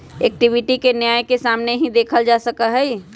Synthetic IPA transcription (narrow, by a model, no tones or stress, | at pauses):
ek̚ʈiʋiʈikenjaːjkesaːmneɦĩd̪eːkʰəld͡ʒasəkəɦɛi